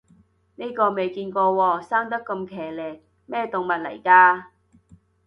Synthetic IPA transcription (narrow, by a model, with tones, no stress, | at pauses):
ne˥jkɔː˧me˨jkiː˧nkɔː˧wɔː˧saː˥ŋt̪ɐ˥kːɐ˧mkʰɛː˨˩lɛː˨˩ | mɛː˥˩t̪ʊ˨ŋmɐ˨t̚lɐ̰˨˩jkaː˧